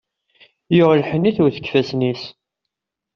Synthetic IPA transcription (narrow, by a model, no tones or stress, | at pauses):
jʊʁlħənːiθuɾθə̥kːfæsnis